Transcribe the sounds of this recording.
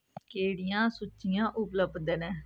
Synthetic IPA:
keːɽijãːsʊt͡ʃːijãːʔʊpləbd̪enɛ̃ː

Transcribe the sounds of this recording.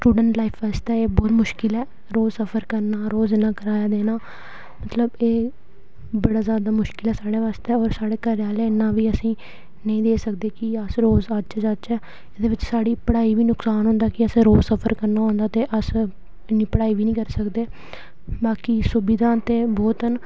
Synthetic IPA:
sʈuːɖəɳʈlaːɪfʰʋaːst̪ɛːeːbɔːt̪mʊʃkɪlɛː | ɾoːzsəpʰəɾkəɾnaːɾoːzenãːkəɾaːjaːd̪eːnaː | mət̪ləbeː | bəɽaːzjaːd̪aːmʊʃkɪlɛːsaːɽeːʋaːst̪eɛːɔːɾsaːɽeːkəɾaːleːɪnːãːʋiːəsĩː | nəĩːd̪eːsəkd̪eːkɪəsɾoːzət͡ʃːd͡ʒat͡ʃɛː | ɪd̪eːʋɪt͡ʃsaːɽiːpəɽaːiːʋiːnʊksaːnɦʊ̃nd̪aːkɪəsẽɾoːzsəpʰəɾkəɾnaːɦõːnd̪aːt̪eːʔəs | ɪnːiːpəɽaːiːʋiːnĩːkəɾsəkd̪eː | baːkiːsʊbɪd̪ãːt̪eːbɔːt̪ən

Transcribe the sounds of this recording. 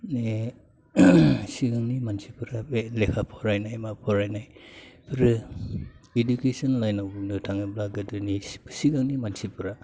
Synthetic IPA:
ne | siɡaŋnimansipʰɯɾabelekʰapʰɔɾajnajmapʰɔɾajnajpʰɾɯ | edukesɔnlajnawbnɯtʰaŋɯblaɡɯdɯnisʰsiɡaŋnimansipʰɯɾa

